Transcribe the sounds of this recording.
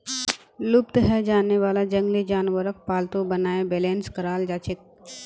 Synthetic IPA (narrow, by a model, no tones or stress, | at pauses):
lʊbt̪ɦɛd͡ʒaːnːeʋaːlad͡ʒɐ̃ŋɡled͡ʒaːnʋəɾək̚paːlt̪õbɐnaːebɛːlẽːnskɐɾaːld͡ʒaːt͡ʃɪk̚